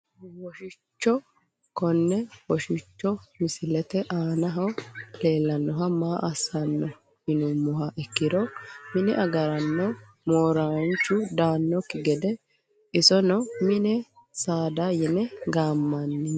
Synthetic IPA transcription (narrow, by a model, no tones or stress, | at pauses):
wɔʃɪt͡ʃːɔ | kɔnːɛwɔʃɪt͡ʃːɔmɪsɪlɛt̪ɛʔaːnɐɦɐwle̞ːlːɐnːɔɦɐmaːʔɐsɐnːɔ | hɪnʊmːʊɦɐʔɛkːɪdɾɔmɪnɛ̰ʔɐɡɐɾɐnːɔ | moːɾant͡ʃːʊd̪aːnːɔkɪɡɛd̪ɛ | ɪsɔnɔmɪnɛ | saːd̪ajɛnɛɡaːmːɐnːɪ